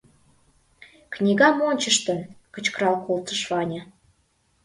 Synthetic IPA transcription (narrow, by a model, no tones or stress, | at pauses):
knʲiɣɑmonʲt͡ɕəʃt̪ənkət͡ɕkəɾɑlkolt̪əʃβɑnʲə̆